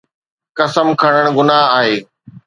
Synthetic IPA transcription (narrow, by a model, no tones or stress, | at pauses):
kɐsəmkʰɐɽ̃əɽ̃ɡʊnaɦaːɦeː